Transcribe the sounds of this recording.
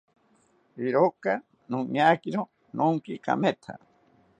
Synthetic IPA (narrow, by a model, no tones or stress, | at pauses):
iɾoka | nũɲakiɾo | nʔõŋkika̰mẽt̪ʰa̰